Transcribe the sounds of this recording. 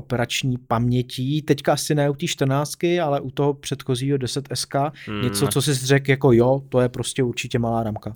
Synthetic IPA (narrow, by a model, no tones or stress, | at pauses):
opɛɾat͡ʃɲiːpamɲɛciːt̪ɛckaasɪnɛːut̪iːʃt̪r̩naːt͡st̪̚kɪalɛʔut̪o̞ɦopr̝̥ɛt̪xo̞ziːɦo̞dɛsɛt̪ɛskaɲɛt͡so̞t͡sos̬ɪzrɛkjako̞jot̪ojɛpɾo̞scɛuɾt͡ʃɪcɛmalaːɾamka